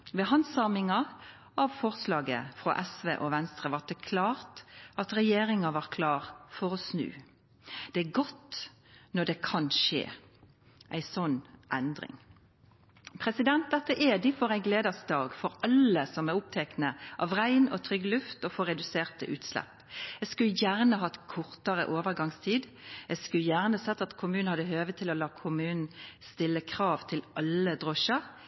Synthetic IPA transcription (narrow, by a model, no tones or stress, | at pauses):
ʋɛɦɑnsɑmɪŋɑ | ɑʋfɔʁslɑːɡə̰fʁo̰ʔɛsʋḛːʔoʋɛnst̪ʁəʋɑd̪ɛkʰlɑːʁt̪ɑt̪ɾɛjeːɾɪŋɑʋɑʁkʰlɑːʁfɔʁɔsnʉ̰ː | d̪̥ɛæɡɔt̪ | nɔd̪ɛkʰɑnʃḛː | ʔæɪsɔnːʔɛnd̪ʁɪ̰ŋ | pʰʁɛsɪd̪ɛnt̪̚d̪ɛt̪ːəʔɛd̪ɪfɔʁæɪɡleːd̪əsd̪ɑːɡfɔɾɑləsɔmæʁʊp̚t̪ʰɛknəʔɑʋʁæɪnɔt̪ʰʁʏɡlʉft̪ɔfoːʁɛd̪ʉseːʁt̪əʔʉːt̪slɛ̰pː | ɛskʉljæːʁnəɦɑt̪kʰʊʁt̪əʁə̰ʔoːʋəʁɡɑŋst̪ʰiːd̪ | ɛɡskʉljæːʁnəsɛt̪ːɑt̪kʰʊmʉːnnhɑd̪əɦøːʋət̪ʰɪlɔlɑːkʰʊmʉːnn̩st̪ɪlːəkʰʁɑːʋt̪ʰɪlʔɑləd̪ʁɔʃəʁ